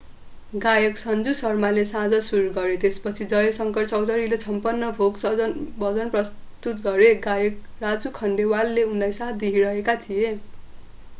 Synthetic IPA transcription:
ɡajʌksʌnd͡zusʌrmalesãd͡zʌsuɾɡʌɾet̪espʌt͡sʰid͡zʌjʌsʌŋkʌrt͡sʌwd̪ʌɾilesʌmpʌnːʌbʱoɡsʌd͡zʌnbʌd͡zʌnprʌst̪ut̪ɡʌɾeɡajʌk̚ | rad͡zukʰʌɳɖewalːeunlajsat̪̚ʰd̪iɦiɾʌɦekat̪ʰije

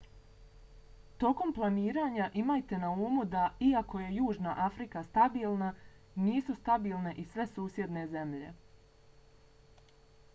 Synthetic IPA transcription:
t̪o̞ko̞mplˠaniːɾaːɲaʔimaːjt̪e̞nauːmud̪aiako̞je̞juːʒnaʔafɾikast̪abiːlˠna | niːsust̪abiːlˠne̞ʔisʋe̞suːsje̞d̪ne̞ze̞mʎe̞̰

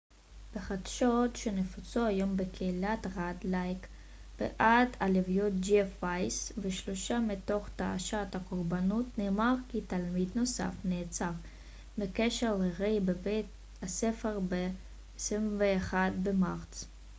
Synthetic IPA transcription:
b̥eχad̪ʃotʃenefut͡soajo̞mbekʰeilat̪ʁadlajk | b̥ḛʔadalevjot̪̚d͡ʒifajsveʃloʃamito̞χt̪aa̰ʃathakoʁbanutneːmaʁkitalmid̪no̞sa̰fneːt͡saʁ | mekeʃeʁleʁejbebet̪̚ | asefeʁbe | simveːχadbemaʁt͡s

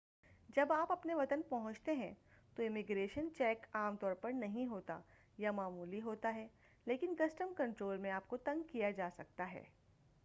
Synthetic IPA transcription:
d͡ʒɐbaːpɐpneʋɐt̪ənpɐɦʊ̃t͡ʃt̪eɦɛ̃t̪oɪmɪɡɾeːʃənt͡ʃɛːkaːmt̪ɔːɾpɐɾnɐɦĩɦoːt̪a̰ | jamaːmuːliɦoːt̪aɦɛː | leːkɪnkɐsʈəmkɐ̃ɳʈɾoːlmẽaːp̚kot̪ɐ̃ŋɡkijad͡ʒaːsɐk̚t̪aɦɛ̰ː

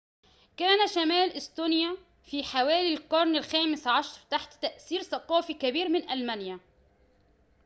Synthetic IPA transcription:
kaːnaʃamæːlʔɪst̪uːnja | fiħawaːlilqʊɾˤnɪlxaːmɪsʕɑʃɾˤt̪aħt̪t̪aʔθiːɾθaqɑːfikabiːɾmɪnʔalmanja

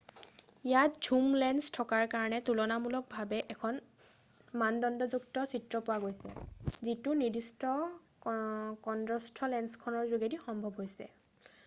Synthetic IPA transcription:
ijat̚d͡ʒʱumlɛnstʰɔkaɹkaɹɔnɛtulɔnamulɔk̚bʱabɛʔɛkʰɔn | mandɔndɔzuktɔsitɹɔpʊwaɡojsɛ̰zitunidistɔ | kɔndɹɔstʰɔlɛnskʰɔnɔɹzuɡedixɔmbʱɔbɦojsɛ̰

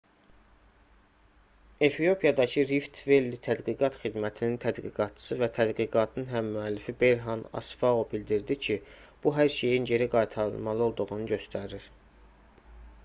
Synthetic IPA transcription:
e̞fijo̞pʰijɑd̪ɑcʰɯɾift̪ʰve̞lːit̪ʰæd̪ɡiɡɑt̪χid̪mæt̪ʰinint̪ʰæd̪ɡḭɡɑt̪̚t͡ʃʰɯ̥sɯvæt̪ʰæd̪ɡiɡɑt̪ʰnɯnɦæmːyælːifibe̞ɾɦɑnɑ̰sfɑobild̪iɾd̪icʰi | b̥uɦæɾʃe̞jinɟe̞ɾiɡɑjt̪ʰɑɾɯ̰lˠmɑlˠɯo̞lˠd̪uʁunɯɟø̞st̪ʰæɾiɾ

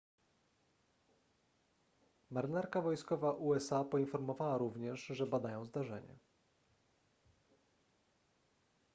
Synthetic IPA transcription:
maɾɘnaɾkavɔjskɔvaʔuɛsapɔinfɔɾmɔvawaɾuvɲɛʂʐɛbad̪ajɔ̃w̃zd̪aʐɛ̰ɲɛ̰

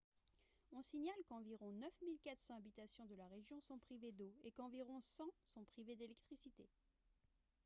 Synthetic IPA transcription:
ɔ̃siɲalkɑ̃viʁɔ̃nœfmilkat̪χsɑ̃abit̪asjɔ̃d̪əlaʁeʒjɔ̃sɔ̃pχived̪oekɑ̃viʁɔ̃sɑ̃sɔ̃pχived̪elɛk̚t̪χisit̪e

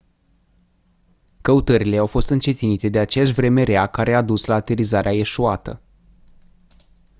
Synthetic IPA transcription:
kəut̪əɾile̞awfo̞st̪ɨnt͡ʃe̞t̪init̪e̞d̪e̞at͡ʃe̞jaʃ̬ʲvɾe̞me̞ɾeakaɾʔe̞ad̪uslaːt̪eɾizaɾeae̞ʃuat̪ə̰

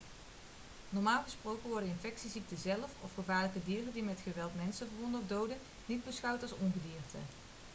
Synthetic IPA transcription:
nɔɹmaːlˠχəsprowkənʋɔɹdənɪnfɛksizik̚təzɛləfɔ̰fχəvaːɹləkədiːrədimɛtχəʋɛlˠtmɛnsəvərɔndɔvdowdən | nid̚bəsχɑwtɑlˠsɔnχədiːrtə̰

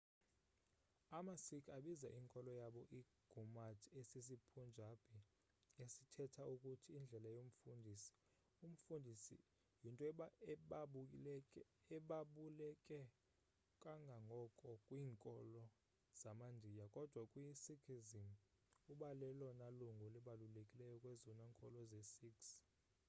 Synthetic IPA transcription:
amasikʰaɓiza̰ʔiːŋkʼɔlɔjaɓɔʔi | ɡ̥ʱumatʰesis̬ipʰund͡ʒʱab̥ʱi | esitʰɛtʰaukʼutʰiːnd͡ɮʱɛlajom̩fundʱisi̥ | um̩fundʱisḭ | jintʼɔ | ɛɓaɓulɛkʼɛ | kʼaŋɡʱaŋɡʱɔkʼɔkʼwiːŋkʼɔlɔ | z̥amandʱijakʼɔd̥ʱwakʼwisikʰizim | uɓalɛlɔnaluŋɡʱɔlɛɓalulekʼilɛjɔkʼwɛzɔnaŋkʼɔlɔzɛsiks

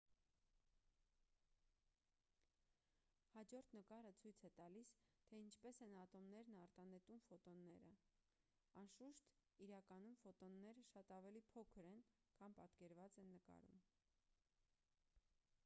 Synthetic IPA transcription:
hɑd͡ʒɔɾt̪ʰnəkɑɾət͡sʰujt͡sʰɛt̪ɑlist̪ʰɛint͡ʃʰpɛsɛnɑt̪ɔmnɛɾnɑɾt̪ɑnɛt̪umfɔt̪ɔnːɛɾə | ɑnʃuʃt̪iɾɑkɑnumfɔt̪ɔnːɛɾəʃɑt̪ɑvɛlipʰɔkʰəɾɛn | kʰɑnpɑt̪kɛɾvɑt͡sɛnːəkɑ̰ɾṵm

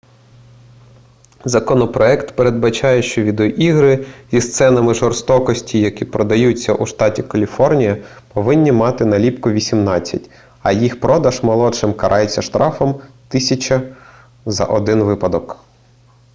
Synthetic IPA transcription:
zɐkɔnɔpɾɔɛkt̪peɾe̞d̪̚bɐt͡ʃɑjɛʃt͡ʃɔʋʲid̪ɔʔiɦɾɪzʲist̪sɛnɐmɪʒɔrst̪ɔkɔsʲtʲijɐkʲipɾɔd̪ɐjut͡sʲːɐʔuʃt̪ɑtʲikɐlʲifɔrnʲijɐ | pɔʋɪnʲːimɑt̪ɪnɐlʲipkʊʋʲisʲimnɑt͡sʲːɐ̰tʲ | ɐjixpɾɔd̪ɐʒmɔlˠɔt͡ʃɪmkɐɾʔɑjet͡sʲːɐʃt̪ɾʔɑfɔmt̪ɪsʲɐt͡ʃɐ | zɐ̰ʔɔd̪ɪnʋɪpɐd̪ɔk

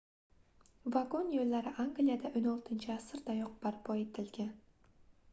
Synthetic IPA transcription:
vaɡonjolʲːaɾɪʔaŋɡlijad̪aʔɵnolˠt̪ʰɪnt͡ʃʰɪasɨɾd̪ajoq̚baɾpʰojt̪ʰɪlɡʲɪ

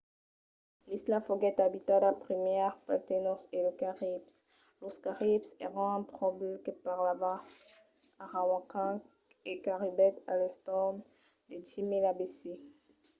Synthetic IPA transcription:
lislafɔɡɛt̪abit̪adapχimjɛʁpat̪enɔʁseləkaʁips | loskaʁipsɛ̰ʁɑ̃ɛ̃pχɔblkəpaʁlavaː | ʁawãkã | ekaʁibɛt̪a̰lɛst̪ɑ̃d̪ | d̪əd͡ʒimelabesi

